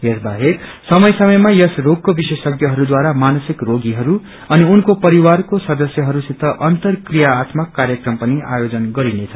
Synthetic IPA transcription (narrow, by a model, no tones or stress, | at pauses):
jʌsbaɦeksʌmʌjsʌmʌjmajʌsroɡ̚kobisesʌɡjʌɦʌɾud̪waɾamanʌsikroɡiɦʌɾu | ʌniunkopʌɾiwarkosʌd̪ʌsjʌɦʌɾusit̪ʌʔʌnt̪ʌrkrijaːt̪mʌkːaɾjʌkrʌmpʌnia̰jod͡zʌnɡʌɾinet͡sʰʌ